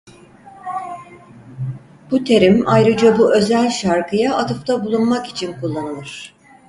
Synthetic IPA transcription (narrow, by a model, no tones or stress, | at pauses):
b̥ut̪ʰe̞ɾimajɾɯd͡ʒabuʔø̞zælʲʃaɾkʰɯjaʔːt̪ʰɯft̪ʰabulˠunmaki̥t͡ʃʰinkʰulˠːanɯlˠɯɾ̥